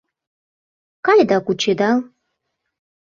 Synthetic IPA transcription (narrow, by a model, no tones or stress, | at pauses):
kajd̪akʷut͡ʃʰed̪al